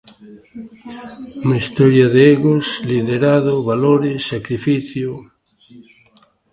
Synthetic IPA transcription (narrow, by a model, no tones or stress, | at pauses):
umaist̪ɔɾjaðeeɣosliðeɾaðoβaloɾesːakɾifiθjo